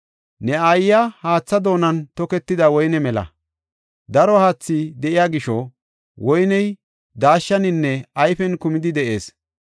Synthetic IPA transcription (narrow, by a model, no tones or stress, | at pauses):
nɛɐjːɐhaːt͡sːɐd̪o̞ːnɐnt̪ɔkɛt̪ːɪd̪ɐwɔjnɛmɛlɐ̰ | d̪ɐɾɔhaːt͡sːid̪ɛʔɪjaɡɪʃɔ | wɔjnɛj | d̪aːʃːɐnɪnːɛɐjfɛnkʊmɪd̪ɪd̪ɛʔe̞ːs